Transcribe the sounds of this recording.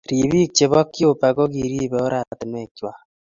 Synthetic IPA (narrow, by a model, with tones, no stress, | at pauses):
ɾi˨βi˦k̚t͡ʃe˨βo˦kːjo˦pa˨ɣo˦ɣiɾi˦βe˨o˦ɾa˨ti˨me˨kwa˨